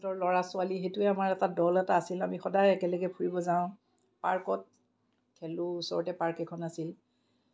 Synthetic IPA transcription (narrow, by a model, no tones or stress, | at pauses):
tɔɹlɔɹasʊalixetʊɛamaɹɛtadɔlɛtaːsilamixɔdajɛkɛlɔɡɛpʰuɹibɔzãʊ̃ | paɹkɔt̚ | kʰɛlʊusɔ̰ɹɔtɛpaɹkɛkʰɔnasil